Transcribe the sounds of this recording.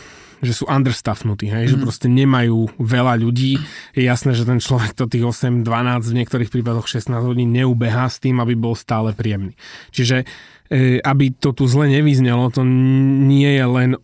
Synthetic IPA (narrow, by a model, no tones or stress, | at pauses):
ʒɛsuːʔand̪r̩st̪afnut̪iːɦɛjʒɛpɾɔscɛɲɛmajuːʋɛlaʎuɟiːjɛjasnɛːʒɛt̪ɛnt͡ʃlɔʋɛk̚t̪ɔt̪iːɣɔsɛmd̪ʋanaːd͡zɟvɲɪɛk̚t̪ɔɾiːxpɾiːpad̪ɔxʃɛsnaːzɦɔɟiːnɲɛuːbɛɦaːst̪iːmabibɔlst̪aːlɛpɾiɛmniːt͡ʃiʒɛ | abit̪ɔt̪uzlɛɲɛʋizɲɛlɔt̪ɔɲɪɛjɛlɛn